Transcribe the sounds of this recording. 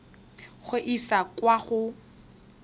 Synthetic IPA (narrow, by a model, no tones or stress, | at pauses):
χʊʔisakwaχʊ